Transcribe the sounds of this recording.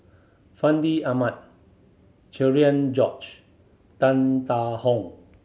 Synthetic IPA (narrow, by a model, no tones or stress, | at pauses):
fãndiamat̚ | t͡ʃɛɹiãnd͡ʒɔt͡ʃ | tãnt̪ahɔ̃ŋ